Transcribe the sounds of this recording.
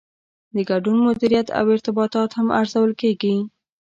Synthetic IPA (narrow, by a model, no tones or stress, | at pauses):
d̪əɡaɖunmʊd̪iɾijat̪ʰa̰wɪɾt̪ɪbɑt̪ɑt̪hama̰ɾzawəlkeɡi